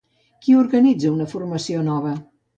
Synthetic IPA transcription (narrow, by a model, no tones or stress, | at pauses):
kiuɾɣənid͡zəunəfurməsionɔβə